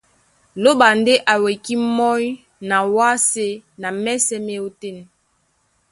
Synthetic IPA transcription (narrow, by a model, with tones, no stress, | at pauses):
lo˦ba˨nde˦ʔa˨we˨ki˦mɔ˦j | na˨wa˦se˦na˨mɛ˦sɛ˦me˦o˦te˦˨n